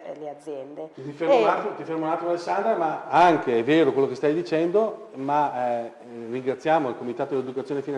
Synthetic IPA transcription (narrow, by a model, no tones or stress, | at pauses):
elead̪zːjɛnd̪et̪ifermoat̪ot̪ifermonat̪ɾoalesːand̪ɾamaaŋkeɛveːɾokwelːokest̪ajd̪it͡ʃɛnd̪o | ma | riŋɡɾat̪sːjaːmoilkomit̪aːt̪od̪eled̪ukat̪sjoːnefin